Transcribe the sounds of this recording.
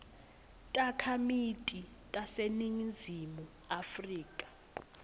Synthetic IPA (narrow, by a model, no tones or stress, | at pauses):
tʼakʰamitʼi | tʼaseniŋd͡zʱimu | afriːkʼḁ